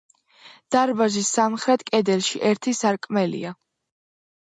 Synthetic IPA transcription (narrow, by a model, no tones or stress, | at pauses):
d̪̥aɾbazisːamχɾɛt̪ʰkʼɛd̪ɛlˠʃiʔɛɾt̪ʰisaɾkʼmɛlḭa